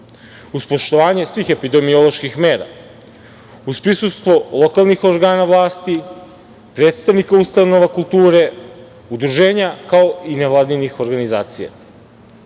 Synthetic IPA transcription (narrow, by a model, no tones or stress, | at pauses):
uspo̞ʃt̪o̞ʋaːɲe̞sʋiːxe̞pid̪e̞mio̞lˠo̞ʃkixme̞ːɾa̰ | uspɾisust̪ʋo̞lˠo̞kalˠnixoɾɡaːnaʋlˠaːst̪i | pɾe̞ːt̪st̪aʋnikaust̪ano̞ʋakulˠt̪uːɾe̞ | ud̪ɾuʒe̞ːɲakao̞ineʋlˠaːd̪inixo̞ɾɡanizaːt̪sija̰